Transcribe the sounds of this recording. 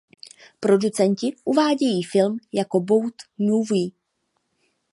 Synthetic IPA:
pɾo̞dut͡sɛncɪʔuvaːɟɛjiːfɪlmjako̞bo̞wt̪nuviː

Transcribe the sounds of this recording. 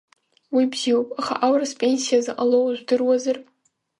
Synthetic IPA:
wibziwopʼaχa̰ʔawɾaspʼe̞nsijazaʔʼalowʒʷdɨrwazar

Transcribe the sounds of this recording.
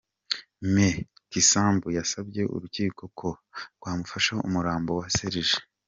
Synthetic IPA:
me | kisaːmbujasabɟe̞ʔṵɾuciːko̞kʰoɾɡwaːmufaʃaṵmuɾaːmbo̞waseɾiʒe̥

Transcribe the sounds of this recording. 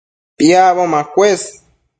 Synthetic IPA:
piaβomakwes

